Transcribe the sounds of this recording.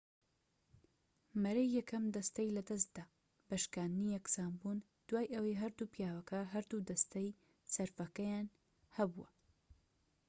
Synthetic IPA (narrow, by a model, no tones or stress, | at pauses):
mɐɾejːɛkʰɐmd̪ɐst̪ɐjlɐd̪ɐs̬t̪d̪aː | bɐʃkaːnd̪nijɛksaːmbun | d̪̥waːjʔɐwɐjɦɐɾd̪upjaːwɐkʰɐɦɐɾd̪ud̪ɐst̪ɐj | sɐɾfɐkɐjaːn | hɐbuwɐ̰